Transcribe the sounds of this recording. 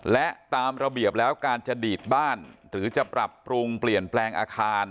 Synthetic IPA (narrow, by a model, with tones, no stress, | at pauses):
lɛ˦˥t̪aː˧mɾa˧bi˨˩əp̚lɛː˦˥wkaː˧nt͡ɕa˨˩diː˨˩t̪̚baː˥˩nɾɯː˩˦t͡ɕa˨˩pɾa˨˩pːɾu˧ŋpli˨˩ənplɛː˧ŋʔa̰ː˧kʰaː˧n